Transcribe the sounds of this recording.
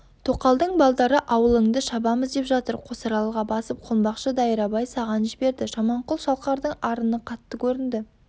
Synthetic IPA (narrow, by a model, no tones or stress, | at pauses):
t̪ʰo̞qɑlˠd̪əɴbɑlˠd̪ɑɾəʔɑwəlˠəɴd̪əʃɑbɑməzd̪e̞pʒɑt̪əɾqʰo̞sɑɾɑlˠʁɑbɑsəp̚qʰʊlˠbɑqʃəd̪ɑjəɾɑbɑjsɑʁɑnʒɪbe̞ɾd̪ɪʒɑmɑɴqʊlˠʃɑlˠqɑɾd̪əɴɑɾənəqʰɑt̪ːəkʲʰɵɾɪnd̪ɪ